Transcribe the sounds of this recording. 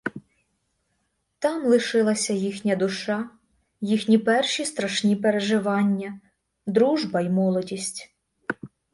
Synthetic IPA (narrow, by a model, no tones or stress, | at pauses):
t̪ɑmlˠɪʃɪlˠɐsʲɐjixnʲɐd̪ʊʃɑ | jixnʲipɛrʃist̪ɾɐʃnʲipeɾeʒɪʋɑnʲːɐ | d̪ɾuʒbɐimɔlˠɔdʲisʲtʲ